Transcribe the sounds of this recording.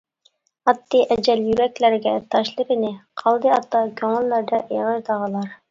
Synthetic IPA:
ɑt̪ːiʔɛd͡ʒɛljyɾɛkʲlæɾɡʲɛt̪ʰɑʃlˠɨɾɪnɪqʰɑlˠd̪ɨɑt̪ːɑkʲʰøŋɪlːæɾd̪ɑʔeʁəɾd̪ɑʁɑlˠɑɾ

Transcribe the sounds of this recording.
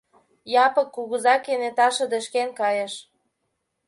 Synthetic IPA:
jɑpɤkːuɣəzɑkːenet̪ɑʃɤ̆d̪ə̆ʃkenkɑjeʃ

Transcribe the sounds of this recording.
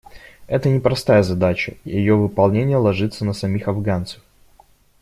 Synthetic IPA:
ɛt̪ənʲɪpɾɐst̪ajəzɐd̪at͡ɕə̰jɪjovɨpɐlˠnʲenʲɪjəlˠɐʐɨt̪sənəsɐmʲixɐvɡant̪sə̥f

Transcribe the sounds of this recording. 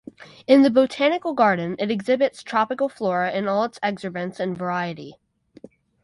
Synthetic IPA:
ɨ̃nðɨboʊtʰænɨkl̩ˠɡɑɹdⁿn̩ɨɾɨɡzɪbɨtstʰɹ̥ɑpɨkl̩ˠflɔɹɨɪ̃nɔlˠətsɛksə˞bɨ̃nsɨ̃nvə˞aɪɨɾi

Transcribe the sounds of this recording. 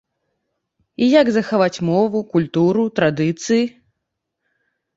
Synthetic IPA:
ijaɡzɐxavat͡sʲmɔvukulʲt̪uɾut̪ɾad̪ɨt̪sɨji

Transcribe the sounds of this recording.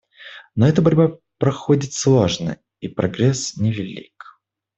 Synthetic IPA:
noɛt̪əbɐɾʲba | pɾɐxodʲɪt̪slˠo̞ʐnə̰ | ipɾɐ̰ɡɾʲɛsnʲɪvʲɪlʲḭk

